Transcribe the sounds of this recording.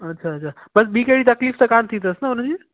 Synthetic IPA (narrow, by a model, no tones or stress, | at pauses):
ɐtːʃʰaɐtːʃʰabɐsbiːkeɽit̪ɐkliːft̪ɐkant̪ʰit̪əsnaunə̃d͡ʑi